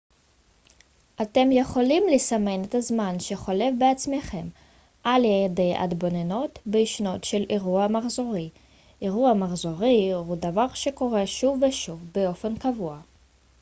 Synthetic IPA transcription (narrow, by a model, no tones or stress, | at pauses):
ʔate̞mje̞χo̞limlesame̞net̪azmanʃeχo̞le̞vbeat͡smeχe̞m | ʔaljajede̞jʔa̰dbo̞neno̞t̪beiʃno̞tʃe̞lʔeʁuamaχzo̞ʁi | ʔeʁuamaχzo̞ʁihudavaʁʃe̞ko̞ʁe̞ʃuvːeʃuvbeo̞fe̞nkavua